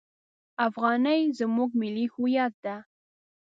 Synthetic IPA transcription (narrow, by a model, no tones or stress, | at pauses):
afɢɑnajzɪmʊkmɪlɪxʊjat̪a